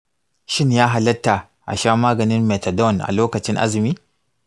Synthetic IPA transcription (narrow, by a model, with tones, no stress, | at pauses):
ʃɪ˦njaː˦ɦa˨lɐ˦tːa˨ | ʔa̰˨ʃaː˦maː˦ɡɐ˨nɪ˦nmɛ˨tɛ˨dɔ˦˨nʔa̰˨loː˦kɐ˨t͡ʃɪ˦nʔa̰˦zmiː˦